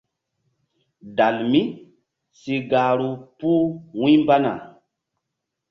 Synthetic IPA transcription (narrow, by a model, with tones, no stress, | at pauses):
da˨lmi˦ | si˨ɡa˨ɾu˦pu˦wũ˦mba˦na̰˨